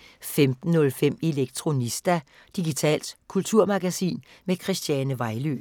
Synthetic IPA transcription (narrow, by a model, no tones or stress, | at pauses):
femd̥n̩ːɔ̽lfem̰e̝leɡ̥̚t͡sʰʁo̝nisd̥æ | d̥iɡ̥it͡sʰɛ̰ːld̥kʰult͡sʰuɐ̰mɑɡ̥æsḭːnmekʰʁisd̥jænəʋɑ̈ɪlø̰ː